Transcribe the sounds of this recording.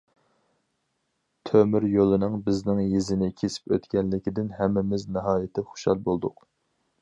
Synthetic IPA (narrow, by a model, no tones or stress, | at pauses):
t̪ʰømyɾjolˠɨnɨŋbɪznɪŋjezɪnɪkʲʰesɪ̥pøt̪kʲɛnlɪkʲid̪ɪnɦɛmːɪmɪznɪɦɑːjɪt̪ʰɪχo̥ʃɑlˠbolˠd̪ʊq